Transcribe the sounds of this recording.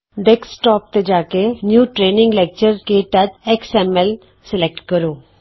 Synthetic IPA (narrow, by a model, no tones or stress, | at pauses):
ɖeksʈɔːp̚t̪ed͡ʒaːkenjuːʈɾeːnɪ̃ŋɡlɛk̚t͡ʃəɾkeːʈad͡ʒɛksɛːmɛl | sɪlek̚ʈkəɾoː